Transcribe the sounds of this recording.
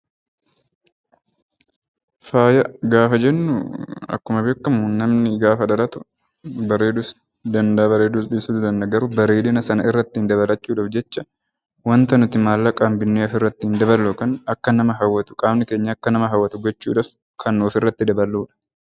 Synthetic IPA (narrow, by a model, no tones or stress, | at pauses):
faːjɐɡaːfɐd͡ʒɛnːʊ̰ɐ̰kːʊmɐbe̞ːkːɐmʊnɐmnɪɡaːfɐᶑ̪ɐɾɐt̪ʊ | bɐɾeːd̪ʊs | d̪ɐnd̪ɐbɐɾeːd̪usᶑɪːsud̪d̪ɐnd̪ɐɡɐɾʊbɐɾeːd̪ɪnɐsɐnɐɪrːɐt̪ːɪnd̪ɐβɐlɐt͡ʃːuːᶑɐfd͡ʒɛt͡ʃːɐ | wɐnt̪ɐnʊt̪ɪmaːlːɐkʼaːmbɪnːeːɐfɪrːɐt̪ːɪɪnd̪ɐβɐlːokɐnɐkːɐnɐmɐɦɐwːɐt̪ʊ̥kʼaːbnɪke̞ːɲːɐːkːɐnɐmɐɦɐwːɐt̪ʊɡɔt͡ʃːṵːᶑɐf | kʰɐnːoːfɪrːɐt̪ːɪd̪ɐbɐlːuːᶑɐ̥